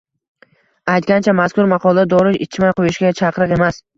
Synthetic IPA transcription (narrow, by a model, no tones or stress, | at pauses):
ajt̪̚ɡʲant͡ʃʰamaskʊɾmɑqʰɒlˠad̪ad̪ɒɾɪɪt͡ʃʰmajqʰojɪʃɡʲat͡ʃʰɑqɾɨqe̞mas